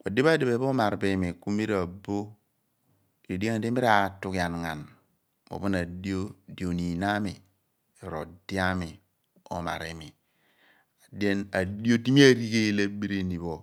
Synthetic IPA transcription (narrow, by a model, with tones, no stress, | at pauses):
o˨di˦ba˦de˨be˨˦bo˦ma˨ɾbe˨mi˨ku˦mi˦ɾa˨bo˦˨ | o˨di˦a˦a˨de˦mi˦ɾa˨tu˦ka˨nŋa˨n | mo̰˨bu˦na˨di˦o˦di˨o˨ni˨na˦mi˨ | e˨ɾo˨di˦a˦mi˨ | o̰˨ma̰˨ɾe˨mi˨ | a˨de˦na˨di˦o˦ti˦mi˦a˦ɾi˦ke˦la˦bi˦ɾe˦ni˨βo˨